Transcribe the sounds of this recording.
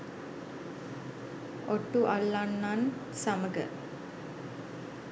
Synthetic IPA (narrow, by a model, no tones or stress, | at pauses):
oʈːuʔalːanːansaməɡə̰